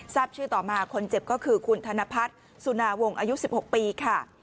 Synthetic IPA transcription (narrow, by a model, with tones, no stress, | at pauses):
saː˥˩p̚t͡ɕʰɯː˥˩t̪ɔː˨˩maː˧kʰo˧nt͡ɕe˨˩p̚kɔː˥˩kʰɯː˧kʰu˧nt̪ʰa˧na˦˧˥pʰa˦˥t̪̚ | su˧˩naː˧wo˧ŋʔaː˧ju˦˥si˨˩p̚ho˨˩k̚piː˧kʰa˥˩